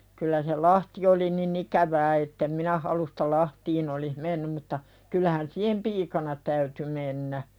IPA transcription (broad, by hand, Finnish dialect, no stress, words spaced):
kylːæ se lɑhti oli nin ikæʋæː etːem minæ hɑlustɑ lɑhtiːn olih menːym mutːɑ kylːæhæn siːhem piːkɑnɑ tæyty menːæ